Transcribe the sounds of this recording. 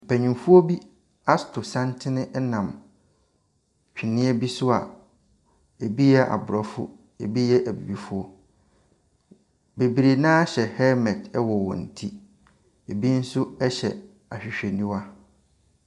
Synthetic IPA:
m̩˨pʰæ˨ɲĩ˨mfu˦ɔ˦bi˦ | a˦stʰʊ˨sã˦ntʰɪ˦nɪ̃˦ʔnã˨m | t͡ɕᶣi˨nɪ̃˦ɛ˦bi˦sʊ˦a̰˨ | e˨bi˦jɛ˦ʔa̰˨bʊ˨ɾɔ˨fʊ̰˦ | e˨bi˦jɛ˦ʔæ˨bḭ˨bi˨fʊ˦ɔ˦ | be˨bi˨ɾe˨nãː˦ɕɛ˨hɛ˦mɛ˨dɛ˦wɔ˨wɔ̰̃˨n̩˨tʰi˦ | e˨bi˦n̩˦sʊ˦ɛ˦ɕɛ̰˨ | a˨ɕᶣɪ˨ɕᶣɛ˨nĩ˦wa˦

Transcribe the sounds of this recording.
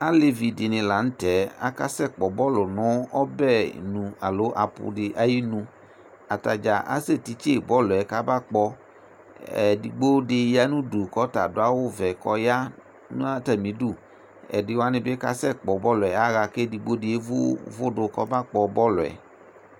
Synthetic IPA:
a˦le˨vi˨dɪ˨nɪ̃˨la˨ñ̩˦tɛ˨˦a̰˦ka˦sɛ˦˨k͡pɔ˨bɔ˦lʊ˨nɔ̃˨˦ɔ˦bɛ̰˦˨nũ˨a˨lo˨˦ʔa˨pʊ̰˧dɪ˨ʔa˨ji˦nũ˧ | a˨ta˨d͡ʒa˨ʔa̰˦se˦˨ti˨t͡ʃe˦˨bɔ˦lʊ˨ɛ˨ka˦ba˦˨k͡pɔ˧ | ɛ̰˨di˨ɡ͡bo˦dɪ˧ja˦nũ˦du˨kɔ˦ta̰˨dʊ˨a˦wʊ˦vɛ˨kɔ˧˦ja˦ | nṵ̃˦a˦tɛ˨mĩ˨˦du˦˨ | ɛ̰˨dɪ˨wa˦nɪ̃˧bɪ˦ka˦sɛ˦˨k͡pɔ˨bɔ˦lʊ˨ɛ˨a˦ɣa˧ke˦di˨ɡ͡bo˦dɪ˧e˦vʊ̰˦vʊ˦dʊ˧kɔ˦ba˦k͡pɔ˨bɔ˦lʊ˨ɛ̰˨

